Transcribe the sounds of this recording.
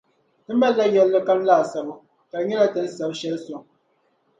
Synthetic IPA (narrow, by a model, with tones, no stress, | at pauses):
ɨ˦m̩˦bɛ˦lɛ˦jɛ˨˦lːɨ˦ka˦n̩˦laː˦˨sə˨bu˦ | ka˨˦ɲɛ˦la˦tɛ˨n̩˦sə˨bʃɛ˦lso˨ŋ